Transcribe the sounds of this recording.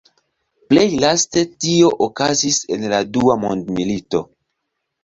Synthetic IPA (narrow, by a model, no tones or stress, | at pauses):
ple̞jlaste̞tio̞ʔokazise̞nladuamondmilito̞